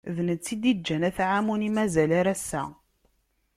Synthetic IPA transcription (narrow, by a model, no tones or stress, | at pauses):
ðnət͡sːid̪id͡ʒːænæθʕamunimæzælaɾæsːæ̰